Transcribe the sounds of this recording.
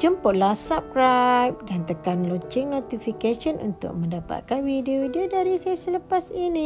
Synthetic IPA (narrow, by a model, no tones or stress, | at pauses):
d͡ʒəmpʊʔ̪̚lasap̚kɾajp̚dant̪əkanlot͡ʃɪŋnot̪ifikaʃənʔṵnt̪ʊ̰k̚mə̃ndapa̰t̪̚kanwideoidiodaɾisaasələpasinĩ